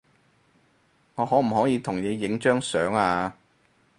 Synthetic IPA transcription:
ŋɔː˨˧hɔː˨˥m̩˨˩hɔː˨˥jiː˨˧t̪ʰʊ˨˩ŋjeː˨˧˥jɪ˨˥ŋt͡ʃœː˥ŋsœː˨˥ŋaː˧

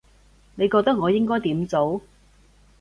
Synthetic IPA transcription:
ne˨˧jkɔː˧k̚t̪ɐ˥k̚ŋɔː˨˧jɪ˥ŋkɔː˥jt̪iː˨˥mt͡so˨˥w

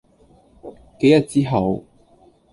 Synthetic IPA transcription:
ke˨˥jɐ˨t̚t͡siː˥ɦɐ˨˧w

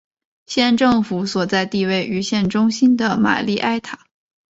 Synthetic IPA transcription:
ɕjɛ˥˧nʈ͡ʂɤ˥˩ŋfu˧˥˦swɔ˨˩t͡sa˥˧ɪt̪i˥˧we˥˩ɪʔy˧˥ɕjɛ˥˩nʈ͡ʂʊ˥ŋɕi˥nd̪ə˨ma̰˨˩li˥˧ʔa˥ɪt̪ʰa˨˩˦

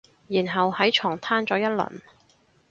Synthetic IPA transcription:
jiː˨˩nɦɐ˨whɐ˨˥jt͡ʃʰɔː˨˩ŋt̪ʰaː˥nt͡sɔː˨˥jɐ˥t̚lɐ̰˨˩n

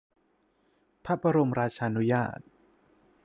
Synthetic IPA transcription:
pʰa˦˥pa˧ɾo˧mɾaː˧t͡ɕʰaː˧ʔnu˦˥jaː˥˩t̪̚

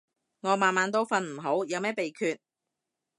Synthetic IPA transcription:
ŋɔː˨˧maː˨nmaː˨˥nt̪̬o˥wfɐ˧nm̩˨˩ɦo˨˥wjɐ˨˧wmɛː˥pe˨jkʰyː˧t̚

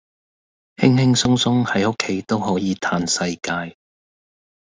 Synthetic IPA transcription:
hɪ˥ŋhɪ˥ŋsʊ˥ŋsʊ˥ŋhɐ˨˥jʊ˥kʰːe˨˥jt̪o˥wɦɔː˨˥jiː˨˧t̪ʰaː˧nsɐ˧jkaː˧j

